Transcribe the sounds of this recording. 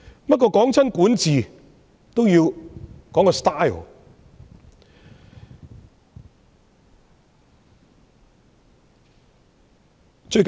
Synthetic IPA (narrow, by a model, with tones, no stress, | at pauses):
pɐ˥t̚kɔː˧kɔː˨˥ŋt͡sʰɐ˥nkuː˨˥nt͡siː˨ | t̪o˥wjiː˧wkɔː˨˥ŋkɔː˧st̪aː˥j̰ | t͡ʃɵ˧ɥk